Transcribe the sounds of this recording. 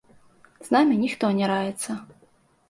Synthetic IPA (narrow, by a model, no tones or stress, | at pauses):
znamʲinʲixt̪ɔnʲɛɾavʲɛt̪sːɐ